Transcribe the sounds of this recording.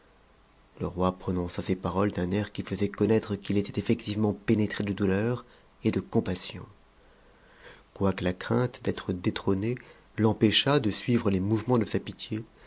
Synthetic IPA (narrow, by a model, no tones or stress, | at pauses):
ləʁwapχɔnɔ̃sasepaʁɔld̪ɛ̃nɛʁkʲifəzɛkɔnɛt̪χəkʲilet̪ɛt̪efɛk̚t̪ivmɑ̃penet̪χed̪əd̪ulœʁ | ed̪əkɔ̃pasjɔ̰̃ | kwakəlakχɛ̃t̪d̪ɛt̪χəd̪et̪χɔne | lɑ̃peʃad̪əsɥivʁəlemuvmɑ̃d̪əsapit̪je